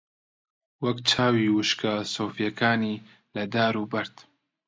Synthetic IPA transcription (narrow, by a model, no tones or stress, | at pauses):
wɐkt͡ʃʰaːwiːwɨʃkasoːfjɐkʰaːniː | lɐd̪aːɾuːbɐɾd̪